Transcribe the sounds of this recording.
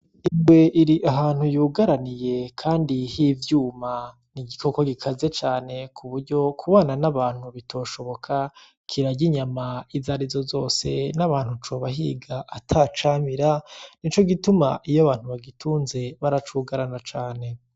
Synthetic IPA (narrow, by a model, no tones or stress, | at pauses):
imɡwe̞ʔiɾiʔaɦaːn̥hujuːɡaɾanije̞kʰaːndihivjuːma | niɡiko̞ko̞ɡikʰaze̞t͡ʃaːne̞kʰuβuɾɟo̞kʰuβaːnanaβaːn̥huβitʰo̞ːʃo̞βo̞kʰa | kʰiɾaɟiɲamaizaɾizozo̞ːse̞naβaːn̥hut͡ʃoβaɦḭːɡaʔːtʰat͡ʃamiɾanit͡ʃo̞ɡituma̰ʔijoβaːn̥huβaɡituːnze̞βaɾat͡ʃuːɡaɾanat͡ʃaːne̞